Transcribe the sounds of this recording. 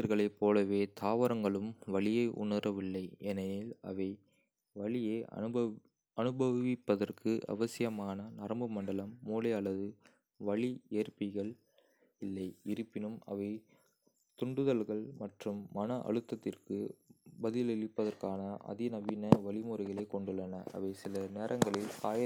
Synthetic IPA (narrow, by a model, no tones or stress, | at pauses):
ɐɾɣɐɭɐɪpːoːlɐʋeːt̪ʰaːʋɐɾɐŋɡɐɭɯmʋɐɭɪjɐɪʔʊ̰nɐɾɐʋɪlːɐɪɛnɐjɪlɐ̰ʋɐɪ | ʋɐɭɪjḛː | ɐnɯbɐʋɪpːɐðɐrkʰɯʔɐ̰ʋɐsɪjɐmaːnɐnɐɾɐmbɯmɐɳɖɐlɐmːuːlɐɪɐɭːɐðɯ | ʋɐɭieːrpɪɣɐɭ | ɪlːɐɪɪɾɯpːɪnɯmɐ̰ʋɐɪ | t̪ʊɳɖɯðɐlɣɐɭmɐʈrɯmːɐnɐʔɐ̰ɻɯt̪ːɐt̪ːɪrkɯbɐðɪlɪɻɪpːɐðɐrkaːnɐʔɐ̰ðɪnɐbinɐʋɐɭɪmuːɾɪɣɐɭeːkɔɳɖɯɭːɐnɐʔɐ̰ʋɐɪsɪlɐneːɾʔɐŋɡɐɭɪlkaːjɐ